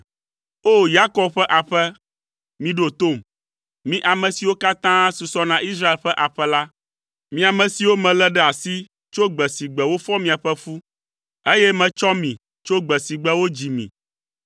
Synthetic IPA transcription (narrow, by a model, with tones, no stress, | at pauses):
o˦ja˦kɔ˨bɸɛ˦ʔa˨ɸɛ˦ | mĩ˨ɖo˨t̪o˦˨m | mĩ˦ʔa˨mɛ̃˨si˨wo˦ka˦t̪ã˦su˨sɔ˦nã˨i˦sɾa˦e˨lɸɛ˦ʔa˨ɸɛ˦la˦ | mĩ˦a˨mɛ̃˨si˨wo˦mɛ̃˨lɛ˦ɖɛ˦a˨si˦ | t͡ʃo˦ɡ͡bɛ˨si˨ɡ͡bɛ˨wo˦fɔ˦mĩ˨a˨ɸɛ˦fu˦ | e˦jɛ˦mɛ̃˨t͡ʃɔ˦mĩ˨ | t͡ʃo˦ɡ͡bɛ˨si˨ɡ͡bɛ˦wo˦d͡ʑi˨mḭ̃˨